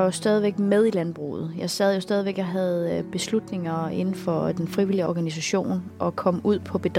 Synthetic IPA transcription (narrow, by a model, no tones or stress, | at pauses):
jo̝sd̥ɛːð̞ˠiʋeɡ̥með̞ˠilænb̥ʁṵːð̞̩ˠjɑ̈ɪsɛð̰ˠjo̝sd̥ɛːð̞ˠiʋeɡ̥ɑ̈ɪɦæð̞ˠb̥e̝slud̥ne̝ŋɐe̝nn̩fɒ̽d̥enfʁiʋil̰iəɒɡ̥ænis̬æɕo̝̰ːnʔɒ̽kʰɒ̽m̰uð̞̰ˠpʰɒ̽b̥e̝d̥